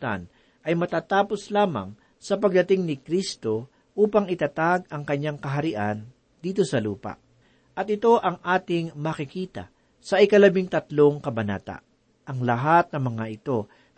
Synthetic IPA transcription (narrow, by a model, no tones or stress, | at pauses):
t̪a̰n | ʔɐjmɐt̪aːt̪aːposlaːmɐ̰ŋ | sɐpɐɡ̚d̪ɐt̪ɪŋnɪkɾist̪o̞ | ʔuːpɐŋɪt̪at̪aɡ̚ɐŋkɐɲːaŋkɐɦɐɾɪʔan | d̪iːt̪̬o̞sɐluːpɐ̰ʔ | ʔɐt̪̚ɪt̪o̞ʔɐŋʔaːt̪ɪŋmɐkɪkiːt̪ɐ̰ | sɐʔɪkɐlɐbiŋt̪ɐt̪lo̞ŋkɐbɐna̰ːt̪ɐ̰ | ʔɐŋlɐɦat̪̚nɐŋmɐŋaʔɪt̪o̞